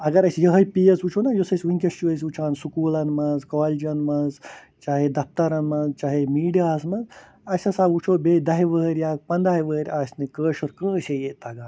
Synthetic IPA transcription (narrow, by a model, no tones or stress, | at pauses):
ɐɡɐɾɐsʲjɐɦɐjpijesut͡ʃʰonajosɐsʲʋiŋkʲɐst͡ʃuɐs̬ʲut͡ʃʰaːnsukuːlɐnmɐzkoːlid͡ʒɐnmɐz | t͡ʃaːɦed̪ɐp̚t̪ɐɾɐnmɐzt͡ʃaːɦemiːɖijaːzmɐnz | ɐsʲɐsaut͡ʃʰobeːd̪ɐɦiʋəːɾʲjaːk̚pɐnd̪aːɦiʋəːɾʲaːsʲnikəːʃoɾkə̃ːsejet̪ɐɡaːn